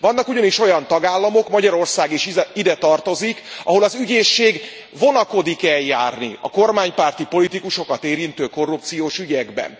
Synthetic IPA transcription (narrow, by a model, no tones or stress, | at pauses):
vɒnːɒkuɟɒniʃo̞jɒnt̪ɒɡaːlːɒmo̞kmɒɟɒɾo̞rsaːɡeʃiid̪ɛt̪ɒrt̪o̞zikɒ̰ɦo̞lɒzyɟeːʃːeːɡ | vo̞nɒko̞d̪ikɛljaːrnḭɒ̰ko̞rmaːɲpaːrt̪ipo̞lit̪ikuʃo̞kɒt̪eːɾint̪øːko̞rːup̚t̪sijoːʃyɟɛɡbɛ̰n